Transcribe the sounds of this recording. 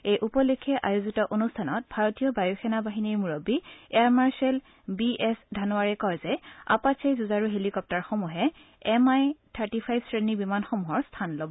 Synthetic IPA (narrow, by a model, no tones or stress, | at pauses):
ejʔupɔlekʰːɛʔajozitɔʔonustʰanɔt̚bʱaɹotijɔbajuxʰɛnabaɦiniɹmuɹobiɛaɹmaɹsɛl | biʔɛsdʱanuaɹɛkɔjzɛa̰pasʰejzuzaɹuɦelikɔp̚taɹxomuɦɛ | ɛmajtʰaɹtipʰajb̥sɹenibimanxɔmuɦɔɹstʰanlobɔ